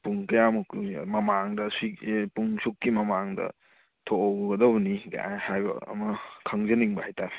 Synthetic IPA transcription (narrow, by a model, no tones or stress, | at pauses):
puŋkɐjamukṵmɐmaŋdɐsipuŋsukːimɐmaŋdɐ̰ | tʰoowɡɐdɐbɐniɡa̰hajbɐ̰ɐ̰mɐkʰɐŋzɐniŋbɐhajtaɾ